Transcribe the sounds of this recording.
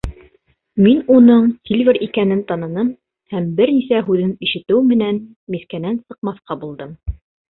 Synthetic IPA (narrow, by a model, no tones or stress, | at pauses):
minunɤɴsʲilʲvʲeɾikænɘnt̪ɑnɤ̆nɤm | hæmbɘɾnisæɦʉðɘniʃɘ̆t̪ɘwmɘ̆næn | miθkænænsɤ̆q̚mɑθqɑbulˠd̪ɤm